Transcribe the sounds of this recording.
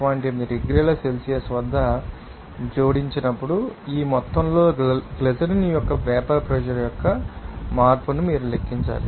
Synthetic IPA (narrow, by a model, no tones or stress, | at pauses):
ʋaːɳʈeːmid̪iɾeɡɾilɐse̞lsijɐsʋɐd̪ʱːɐ | d͡ʒoːɽiɲt͡ʃinɐpːuɽuiːmɔt̪ːɐmlo̞ːɡlesɐɾniːjɔkːɐpɛːpɐɾpɾɛd͡ʒɐɾjɔkːɐmaːɾpunumiːɾulekːiɲt͡ʃa̰ːli